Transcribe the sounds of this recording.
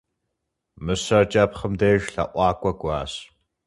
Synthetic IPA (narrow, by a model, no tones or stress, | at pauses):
mɨɕɐrt͡ʃʼɐpχəmdeːʒɬɐ̰ʔʷɑːkʷʼɐɡʷɑːɕ